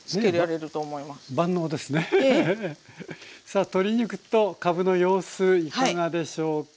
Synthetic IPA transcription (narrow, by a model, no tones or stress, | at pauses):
sneeɾeaɾeɾɯ̟t̪oːmoimassbãnːo̞ːd̪e̞sɨne̞ | saːt̪o̞ɾʲiɲikɯ̟̥t̪ːo̞kabɯ̟no̞jo̞ːsɨikaŋad̪e̞ɕo̞ː